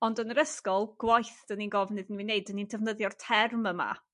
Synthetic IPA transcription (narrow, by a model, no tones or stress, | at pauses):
ɔndənəɾəskɔlˠɡ̥wajθd̥əninɡɔvnɨðnwineɨdənintʰəvnəðjɔrtʰɛrməma̰